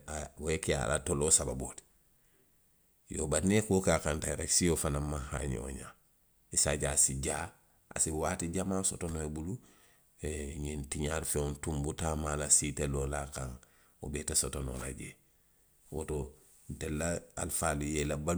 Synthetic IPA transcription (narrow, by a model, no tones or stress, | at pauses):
awekea̰lʔa̰tolosababot | joːbanekokaːkantaɾaksijofanamːaha̰ɲ̰o̰ɲa̰ | isaɟasiɟaː | ʔa̰siwaːtiɟamasotonoebulu | eɲintiɲaɾfeuntumbutaːmaːlasitelolakaŋ | o̰betasotono̰ɾa̰ɟe | wo̰to | ntelːaa̰lfalujelaba